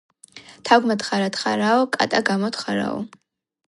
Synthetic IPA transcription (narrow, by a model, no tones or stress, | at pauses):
tʰaɡʷmadχaɾadχa̰ɾawkʼa̰tʼaɡamodχaɾa̰w̰